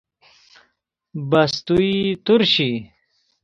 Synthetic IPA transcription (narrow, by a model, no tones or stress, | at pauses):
bɐst̪uit̪uɾɕi